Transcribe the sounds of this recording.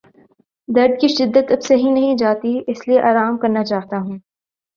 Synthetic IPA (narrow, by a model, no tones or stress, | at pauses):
d̪ɐɾd̪̚kiʃɪd̪ːət̪ɐbseɦĩnɐɦĩd͡ʒaːt̪iɪslieʔaːɾaːmkɐɾnat͡ʃaːɦt̪aɦũː